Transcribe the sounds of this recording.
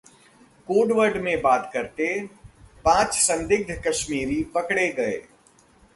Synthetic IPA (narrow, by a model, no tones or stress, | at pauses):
koːɖʋəɾɖmẽbaːt̪kɐɾt̪epãːt͡ʃsɐ̃nd̪ɪɡ̚d̪ʱkɐʃmiːɾipɐkɽeɡɐḛː